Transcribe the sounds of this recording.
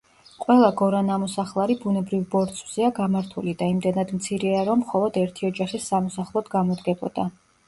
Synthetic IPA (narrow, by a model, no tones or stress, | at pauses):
qʼwɛlˠaɡɔɾanamɔsaχlˠaɾibunɛbɾivbɔɾt̪sʰʼvz̥iaɡamaɾt̪ʰulid̪aimd̪ɛnad̪mt̪sʰiɾɛaɾɔmːχɔlˠɔd̪ɛɾt̪ʰiɔd͡ʒaχisːamɔsaχlˠɔd̪ɡamɔd̪ɡɛbɔd̪̥a